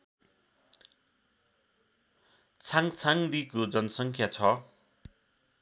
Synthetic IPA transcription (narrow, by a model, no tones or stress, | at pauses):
t͡sʰaŋt͡sʰaŋd̪ikod͡zʌnʌsʌŋkʰjat͡sʰʌ